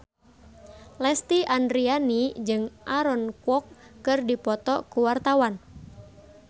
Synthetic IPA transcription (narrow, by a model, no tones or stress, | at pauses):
lɛst̪iʔandɾianid͡ʒɨŋʔaɾɔnkwɔkːɨrdipɔt̪ɔ̰kuwart̪awan